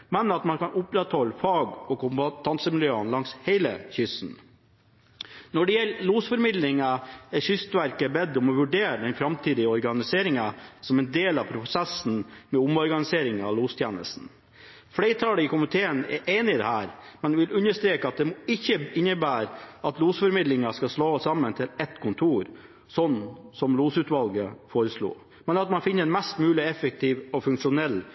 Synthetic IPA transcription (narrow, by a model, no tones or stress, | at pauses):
mɛnəɾɑt̪mɑnkɑnʊpɾɛt̪hɔlːəfɑːɡɔkʊmt̪ʰɑnsəmɪljøːənlɑŋsheɪlə̰çʏsn̩ | nɔɖɛjɛlːluːsfɔɾmɪd̪lɪŋɑɛçʏst̪ʋæɾkəbɛd̪ːɔmɔʋʉɖeːɾəd̪ɛnfɾɑmt̪ʰiːd̪ɪəɔɾɡɑnɪseːɾɪŋɑsɔmɛɪnd̪eːlɑpʰɾʊsɛsn̩mɛʊmɔɾɡɑnɪseːɾɪŋɑ̰ʋluːst̪ʰjeːnə̰st̪n̩ | flɛɪt̪ʰɑːləɪkʊmɪt̪ʰeːənɛ̰ɾʔeːnɪɪd̪ɛ̰hæːɾmɛnʋɪlʉnːəʂt̪ɾeːkəɑt̪̚d̪ɛmɔɪçːəɪnːəbæːɾʔɑt̪luːsfɔɾmɪd̪lɪŋɑskɑsloːsɑmːənt̪ʰɪlɛt̪kʰʊnt̪ʰuːɾ | sɔnːsɔmluːsʉːt̪ʋɑlɡəfoːɾəslṵː | mɛnɑt̪mɑnfɪnːəɾɛnmɛst̪mʉːlɪɛfək̚t̪ʰiːʋɔfʉŋkʂʊnɛlː